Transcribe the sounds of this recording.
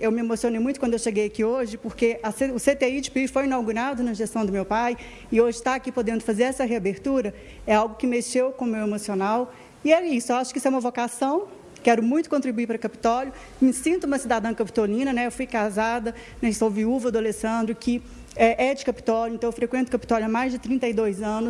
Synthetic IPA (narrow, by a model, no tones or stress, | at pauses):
ewmɪemosionejmũjt̪ʊ̥kwɐ̃d̪oewʃeɡejɐkioʒɪpoɾkeʔɐseʊset̪eid͡ʒɪpifojĩnawɡuɾad̪ʊnɐʒest̪ɐ̃w̃d̪ʊmewpaj | ɪoʒɪt̪aːkipod̪ẽnd̪ʊfazeɾɛsɐɦeabeɾt̪uɾɐ | ɛawɡʊkɪmeʃewkõmewemosionaw | ɪɛisʊewaʃʊ̥kɪisʊɛumɐvokasɐ̃w̃ | kɛɾʊmũj̃t̪ʊkõnt̪ɾibuiɾpɾɐkɐpi̥t̪ɔljʊ | mɪsĩnt̪ʊumɐsid̪ad̪ɐ̃w̃kɐpi̥t̪olĩnɐnɛewfujkazad̪ɐ | nɛsowviuvɐd̪ʊalesɐ̃nd̪ɾʊkʰɪ | ɛʔɛd͡ʒɪkɐpi̥t̪ɔljʊẽnt̪ɐ̃ewfɾekwẽnt̪ʊkɐpi̥t̪ɔljʊamajzd͡ʒɪt̪ɾĩnt̪ɐjd̪ojzɐ̃nʊ